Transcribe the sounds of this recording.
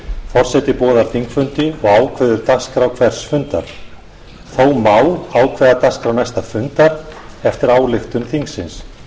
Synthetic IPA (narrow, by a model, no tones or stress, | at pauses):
fɔr̥sɛt̪ɪpɔːðaɾ̥t̪ʰiŋkfʏnt̪ɪɔɣaːwkʰvɛːðʏɾt̪askɾawkʰvɛɾ̥sfʏnt̪a̰ɾ̥ | θowmaːwaːwkʰvɛːðat̪askɾawnajst̪afʏnt̪aɾ̥ | ɛft̪ɪɾaːwlɪxt̪ʏmθiŋksɪns